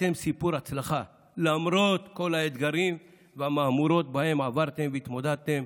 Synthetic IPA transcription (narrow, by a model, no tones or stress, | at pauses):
e̞msipuɾat͡slaχa | lamɾo̞t̪ko̞laed̪ɡaɾim | veamaːmuɾo̞t̪bahe̞mavaʁt̪e̞mveit̪mo̞d̪ad̚t̪em